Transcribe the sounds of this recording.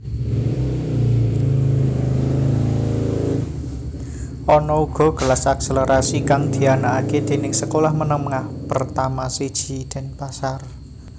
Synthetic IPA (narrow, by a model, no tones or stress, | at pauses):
ʔɔnɔuɡ̥ɔ̤ɡ̥ə̤lasakseləɾasikaŋd̪̥i̤anaːked̪̥e̤nɪŋsəkolahmənəməŋahpərt̪amased̥ʒ̥i̤d̪̥ɛ̤npasar